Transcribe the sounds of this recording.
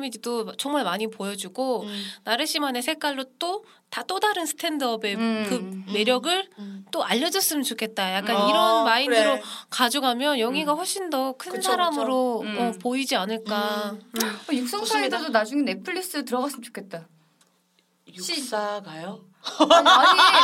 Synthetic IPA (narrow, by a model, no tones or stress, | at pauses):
mididot͡ɕʌŋmaɭmaɲipojʌd͡ʑuɡonaɾɯɕ͈ʰimanesʰe̞k͈waɭːot͈o | tat͈odaɾɯnsʰɯ̥tʰe̞ndʌbe̞kɯme̞ɾjʌɡɯɭt͈oʔaʎːʌd͡ʑʌs͈ɯmɯnt͡ɕokʰe̞t̚t͈ajak͈̚aniɾʌnmaiɯɾokad͡ʑoɡamjʌnjʌŋiɡaɸoɭɕ͈indʌkʰɯnnsʰaɾamɯɾoʌpoid͡ʑianɯɭk͈aɯʌjuk̚s͈ʌŋsʰaesʰdonad͡ʑuŋenepʰɯɭːis͈ɯtɯɾʌɡas͈ɯmt͡ɕo̥kʰet̚t͈a | juaɡajo